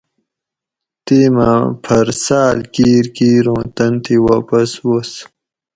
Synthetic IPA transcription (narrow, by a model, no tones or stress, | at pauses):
t̪iːmã̰pʰɐɾsaːlkiːɾkiːɾõːt̪ɐnt̪iwaːpɐswos